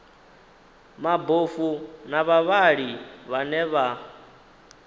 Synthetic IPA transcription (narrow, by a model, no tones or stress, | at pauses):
mabofunaβaβaɺiβanɛβa